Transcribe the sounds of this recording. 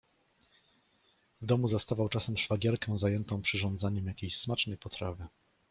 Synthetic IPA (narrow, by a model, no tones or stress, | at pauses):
vd̪ɔmuzast̪avawt͡ʂasɛmʂfaɡʲɛɾkɛw̃zajɛnt̪ɔ̃w̃pʂɘʐɔ̃nd̪zaɲɛmjakʲejɕsmat͡ʂnɛjpɔt̪ɾavʲɘ